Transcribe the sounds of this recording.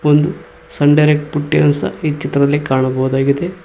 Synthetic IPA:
ond̪u | sɐɳɖɐjɾek̚ʈ̚puʈːiɐnsɐ̰iːt͡ʃit̪ɾɐɐlːikaːɳɐbɐwud̪aːɡid̪e̞

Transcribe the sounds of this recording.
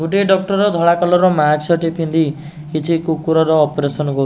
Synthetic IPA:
ɡʱuʈeɖɔk̚ʈɔɾɔd̪ʱɔɭakɔlɔɾɔmaɡsɔʈipʰind̪i | kit͡ʃʰikukuɾɔɾɔːpɾesɔnɡɔ

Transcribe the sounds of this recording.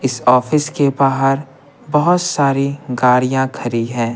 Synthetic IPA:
ɪsɔːfɪskebaːɦəɾ | bɐɦʊt̪saːɾiɡaːɾijãkʰɐɾiɦɛ̃ː

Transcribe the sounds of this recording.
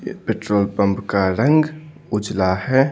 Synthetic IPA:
peʈɾoːlpə̃mpkaɾə̃ŋɡ | ʊd͡ʒlahɛ

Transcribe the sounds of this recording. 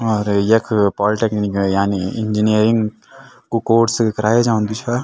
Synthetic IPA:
ɔːɾjɐkʰpɔːliʈeknikjaːniɪ̃ɲd͡ʒinijəɾɪŋɡ | kokoːʈskɐɾaːed͡ʒaːʊ̃nd̪it͡ʃʰa

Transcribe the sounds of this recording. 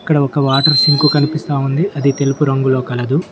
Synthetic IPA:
ɐkːɐɽɐɔkɐʋaːʈɐɾsiŋkukɐnipist̪aːund̪iʔɐd̪it̪e̞lupuɾɐŋɡulo̞ːkɐlɐd̪u

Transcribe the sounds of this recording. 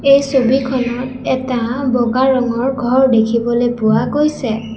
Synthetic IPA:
ejsobikʰɔnɔtɛtabɔɡaɹɔŋɔɹɡʱɔɹdekʰibɔlepʊakojsɛ

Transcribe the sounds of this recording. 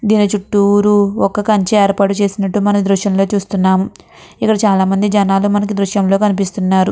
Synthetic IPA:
d̪iːnit͡ʃuʈːuːɾuɔkːɐkɐɲt͡ʃɐeːɾpaːʈut͡ʃe̞ːsinɐʈːumɐnɐmd̪ɾuʃjɐmlo̞ːt͡ʃuːst̪unːaːmu | ikːɐɽɐt͡ʃaːlaːmɐnd̪id͡ʒɐnaːlumɐnɐk̬id̪ɾuʃjɐmlo̞ːkɐnipist̪unːaːɾu

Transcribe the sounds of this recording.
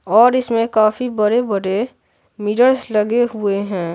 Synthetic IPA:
ɔːɾɪsmẽkaːfʰibəɾebəɽe | miːʈəɾsləɡeɦʊeɦɛ̃ː

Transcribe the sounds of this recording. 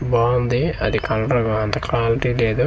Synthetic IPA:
baːnd̪iɐd̪ikɐlɖɾɐɡaɐnt̪ɐkʰlaːliʈileːd̪u

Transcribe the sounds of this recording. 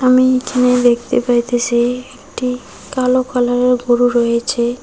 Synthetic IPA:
amikʰined̪ekt̪ḛpaɾjt̪esiekʈi | kalokalaɾeɾɡoɾuɾɔjet͡ɕʰe

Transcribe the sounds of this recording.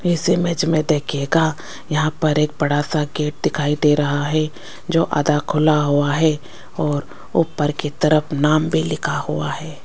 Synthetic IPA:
ɪsemed͡ʒmẽd̪eːkʰeːɡa | jɐɦãpɐɾeːk̚bɐɽaːsaɡeːʈ̚d̪ɪkʰaːid̪eɾɐɦaɦɛ | d͡ʒoːʔa̰ːd̪akʰʊlaɦuaɦɛ | ɔːɾ | ʊpːəɾkit̪ɐɾəfnaːmbʱilɪkʰahuaɦɛː

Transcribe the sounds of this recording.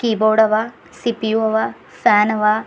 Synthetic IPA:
kiboːɽɐʋa | sipjuɐʋa | saːnɐʋa

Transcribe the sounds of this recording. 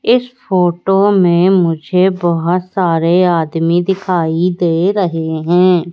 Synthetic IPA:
ɪspʰoːʈoːmẽmʊd͡ʒʱebɔɦʊt̪saːɾeaːd̪mid̪ɪkʰaːid̪eːɾəɦeɦɛ̃ː

